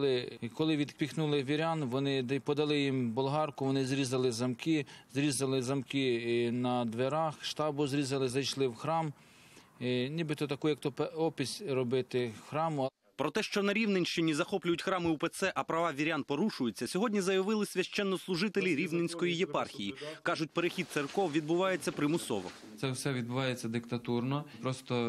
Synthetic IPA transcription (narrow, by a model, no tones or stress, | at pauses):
lˠɪkɔlˠɪʋʲid̪kpʲixnulˠɪʋʲiɾʲɑnʋɔnɪpɔd̪ɐlˠɪjimbʊlˠɦɑrkʊʋɔnɪzɾʲizɐlˠɪzɐmkɪzɾʲizɐlˠɪzɐmkɪnɐd̪ʋeɾɑxʃt̪ɑbʊzɾʲizɐlˠɪzɐjʃlˠɪwxɾɑm | nʲibɪt̪ɔt̪ɐkujɐk̚t̪ɔpɔpʲisʲrɔbɪt̪ɪxɾɑmʊ | pɾɔt̪ɛʃt͡ʃɔnɐɾʲiwnenʲʃt͡ʃɪnʲizɐxɔplʲʊjʊtʲxɾɑmɪupet̪sɛʔɐpɾɐʋɑʋʲiɾʲanpɔɾuʃʊjʊt͡sʲːɐsʲɔɦɔdʲnʲizɐjɐʋɪlˠɪsʲʋʲɐʃt͡ʃɛnːɔslˠʊʒɪt̪elʲiɾʲiʋnenʲsʲkɔjijepɑrxʲijikɑʒʊt̚ʲpeɾexʲidt̪t̪serkɔwʋʲid̪bʊʋɑjet͡sʲːɐpɾɪmʊsɔ̰ʋɔ̰ | t̪sɛwsɛʋʲid̪̚bʊʋɑjet͡sʲːɐd̪ɪkt̪ɐt̪urnɔpɾɔst̪ɔ